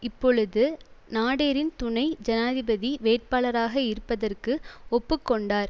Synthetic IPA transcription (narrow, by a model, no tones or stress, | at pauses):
ɪpːɔɻɯðɯnaːɽeːɾɪnt̪ʊɳɐɪd͡ʒɐnaːðɪbɐðiʋeːʈ̚paːɭɐɾaːɣɐɪɾɯpːɐðɐrkɯɔpːɯkːɔɳɖaːɾ